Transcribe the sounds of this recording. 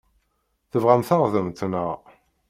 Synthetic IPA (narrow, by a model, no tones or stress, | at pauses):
θəvʁæmθəʁðəmt̪nəʁ